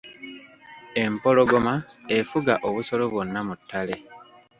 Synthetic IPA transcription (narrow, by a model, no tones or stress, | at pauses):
e̞mpo̞lo̞ɡo̞ma | e̞fuɡaʔoβuso̞loβwo̞nːamutʰːale̞